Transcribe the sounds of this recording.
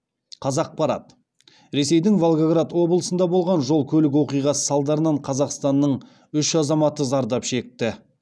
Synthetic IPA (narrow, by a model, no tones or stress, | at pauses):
qʰɑzɑq̚pɑɾɑ̰t̪ | ɾe̞se̞jd̪ɪŋvolˠɡaɡɾat̪wo̞blˠəsənd̪ɑbo̞lˠʁɑnʒo̞lˠkʲʰɵlɪk̬wo̞qijʁɑsə̥sɑlˠd̪ɑɾənɑɴqʰɑzɑqst̪ɑnːəɴ | ʏʃɑzɑmɑt̪əzɑɾd̪ɑpʃe̞k̚t̪ɪ